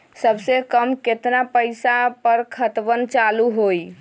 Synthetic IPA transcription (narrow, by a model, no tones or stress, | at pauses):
səbsekəmket̪napəjsapəɾkʰət̪ʋənt͡ʃaluɦoj